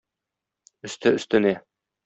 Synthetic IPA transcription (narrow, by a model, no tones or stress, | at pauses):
ɵ̆st̪ɘɵ̆st̪ɘ̆næ